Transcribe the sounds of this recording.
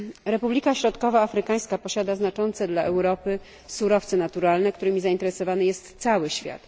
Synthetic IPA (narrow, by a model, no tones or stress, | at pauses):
ɾɛpublʲikaɕɾɔt̪kɔvaːfɾɘkaj̃skapɔɕad̪aznat͡ʂɔnt̪sɛd̪laʔɛwɾɔpɘ | suɾɔft̪sɛnat̪uɾalnɛkt̪uɾɘmʲizaint̪ɛɾɛsɔvanɘjɛst̪sawɘɕfʲja̰t̪